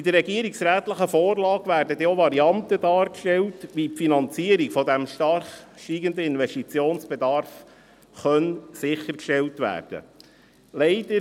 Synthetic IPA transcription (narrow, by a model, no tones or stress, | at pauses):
id̪əɾrːɛɡiəɾiksɾæːt̪ləχəfoːɾlɑːɡʋæːɾdəd̥̪iːoʋɑɾiɑnt̪əd̥ɑːɾkʃtɛltʋiːpfinɑnt͡siəɾiɡfɔd̪æmʃtɑrχʃtiːɡənd̪əɪnʋɛstit͡sjoːnsb̥ed̪ɑɾf | χœnsɪχːəɾkʃtɛltʋæ̰ːrd̥ə̰ | lɛɪdəɾ